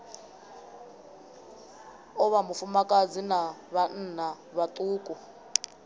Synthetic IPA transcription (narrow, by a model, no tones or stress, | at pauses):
ɔβamufumakʼad͡zinaβan̩na | βatʼuːkʼu